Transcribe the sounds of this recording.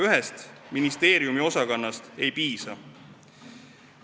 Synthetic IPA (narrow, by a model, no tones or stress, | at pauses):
yɦest̪minist̪e̞ːɾjumio̞sɑkɑnːɑst̪e̞jpiːsɑ